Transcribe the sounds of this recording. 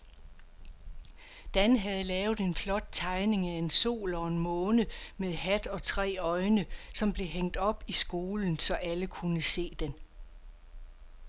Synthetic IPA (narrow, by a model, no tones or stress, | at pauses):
d̥ænɦæð̞ˠəlɛːʊð̩ˠe̝nflɒ̽d̥̚t͡sʰɑ̈ɪne̝ŋæe̝nso̝̰ːlɒ̽e̝nmɔ̽ːnəmeðˠhæd̥ɒ̽t͡sʰʁɛ̰ːɒ̽ɪnəsɒ̽mb̥le̝ɦeŋ̰d̥ɒ̽b̥isɡ̥o̝ːln̩sɒ̽ʔæləkʰunəse̝̰ːd̥en